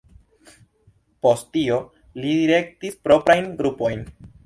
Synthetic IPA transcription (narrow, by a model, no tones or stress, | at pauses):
po̞sttio | lidiɾe̞k̚tispɾo̞pɾajnɡɾupo̞jn